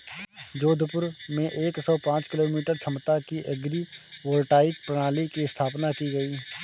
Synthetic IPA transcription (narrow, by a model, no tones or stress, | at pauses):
d͡ʒoːd̪ʱpʊɾmẽʔeːksɔːpãːt͡ʃkɪloːmiːʈəɾt͡ʃʰəmt̪akiʔəɡɾiwoːlʈaːɪk̚pɾəɽ̃aːlikiɪst̪ʰaːpnakiɡəiː